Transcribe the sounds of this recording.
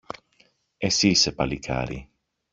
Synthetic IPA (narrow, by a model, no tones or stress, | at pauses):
esisepalikʰa̰ɾḭ